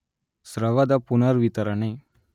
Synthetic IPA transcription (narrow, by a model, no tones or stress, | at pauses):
sɾəʋad̪apunaɾʋit̪əɾanaj